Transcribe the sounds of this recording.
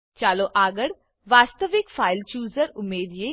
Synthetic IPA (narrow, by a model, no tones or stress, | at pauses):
t͡ʃaːloʔaːɡəɽ | ʋaːst̪əʋɪkfʰaːɪlt͡ʃuːzəɾʊmːeːd̪jeː